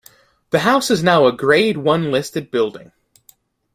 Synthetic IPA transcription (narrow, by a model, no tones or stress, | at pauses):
ðɨɦaʊsɨznaʊəɡɹeɪd̚wʌ̃nlɪstɨd̚bɪlˠdɪ̰̃ŋ